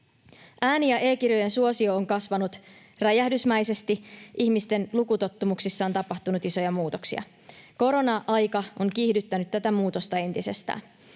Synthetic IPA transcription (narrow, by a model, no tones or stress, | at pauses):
ʔæːnijɑʔe̞ːkirjo̞je̞nsuo̞sio̞ːŋkɑsʋɑnut̪ | ræjæhdysmæjse̞st̪iʔiçmist̪e̞nlukut̪o̞t̪ːumuksisːɑːnt̪ɑpɑht̪unut̪iso̞jɑmuːt̪oksḭɑ̰ | ko̞ɾo̞nɑʔɑjkɑʔoŋkihdyt̪ːænyt̪t̪ːæt̪æmuːt̪o̞st̪ɑe̞nt̪ise̞st̪æ̰ːn